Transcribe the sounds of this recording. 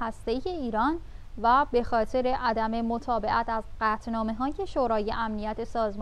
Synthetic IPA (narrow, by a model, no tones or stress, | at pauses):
hæst̪e̞iːje̞iːɾɒːn | væbe̞xɒːt̪ʰe̞ɾe̞ʔæd̪æme̞mot̪ʰɒːbe̞ʔæt̪ʰæzɢæːt̪ʰnɒːme̞ɦɒːje̞ʃoːɾɒːje̞ʔæmnijæt̪ʰe̞sɒːzm